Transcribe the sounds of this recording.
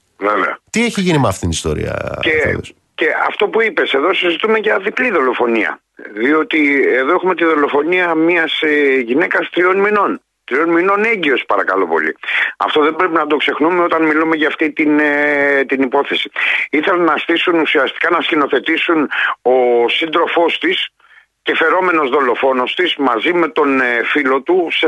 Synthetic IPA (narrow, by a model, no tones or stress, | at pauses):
veveɐ̰t̪ieçiʝinimɐft̪it̪inist̪o̞̰ɾḭɐ̰e | ce̞ɐ̰ft̪o̞puipe̞se̞ðo̞sizit̪ume̞ʝɐðipliðo̞lo̞fo̞niɐ̰ | ðio̞t̪ie̞ðo̞exume̞t̪̬iðo̞lo̞fo̞niɐmiɐsʝine̞kɐst̪ɾio̞nmino̞n | t̪ɾio̞nmino̞ne̞ɲɟio̞spɐɾɐkɐ̰lo̞po̞̰lḭɐ̰ft̪o̞ðe̞bɾe̞pinɐd̪o̞kse̞xnumeo̞t̪ɐnmilume̞ʝɐːft̪it̪int̪inipo̞θe̞si̥iθe̞lɐnɐsθisunusiɐst̪i̥kɐnɐscino̞θe̞t̪isuno̞sind̪ɾo̞fo̞st̪is | ce̞fe̞ɾo̞me̞no̞zðo̞lo̞fo̞no̞st̪izmɐzime̞t̪o̞nfilo̞t̪use